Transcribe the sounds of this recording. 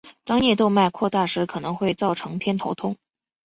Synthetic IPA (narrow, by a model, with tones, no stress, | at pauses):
t̪ɑ˥ŋnjɛ˥˩t̪o˥˧ʊma˥˧ɪkʰwɔ˥˧t̪a˥˩ʂɻ̩˧˥kʰɤ˨˩nɤ˧˥ŋxwe˥˧ɪt͡sɑ˥˩ʊʈ͡ʂʰɤ˧˥ŋpʰjɛ˥nt̪ʰo˧˥ʊt̪ʰʊ˥ŋ